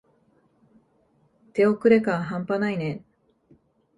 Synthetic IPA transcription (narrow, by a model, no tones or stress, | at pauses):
t̪e̞okɯ̟ɾe̞kãɦãmpanainẽ